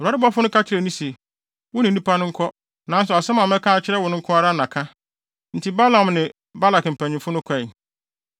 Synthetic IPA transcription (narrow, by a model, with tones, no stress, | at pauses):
ɾa˦ɾɪ˦bɔ˦fʊ˦ʊ̃˦kʰa˦t͡ɕʰɪ˦ɾɛ˨nĩ˦se˨ | wʊ˦nɪ̃˨˦nĩ˦pʰa˦nʊ̃˦ŋ̩˦kʰɔ˦ | nã˨˦n̩˦s̬ɔ˨a˨sɛ˦mã˨m˦ɛ˦kʰã˦a˨t͡ɕʰɪ˦ɾɛ˦wɔ˨nʊ̃˦ŋ̩˦kʰʊ̃˦a˦ɾa˦nã˨kʰã˦ | n̩˨tʰi˦ba˦lã˨mnɪ̃˨ | ba˦la˨km̩˨pʰæ̃˨ɲɪ̃˨mfʊ˦nʊ̃˦kʰɛ˦˨ɪ˨